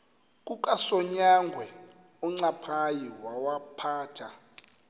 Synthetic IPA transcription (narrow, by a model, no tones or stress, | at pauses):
kʼukʼasɔɲaŋɡʱwɛ | ɔŋ͡ǀapʰajiwawapʰaːtʰa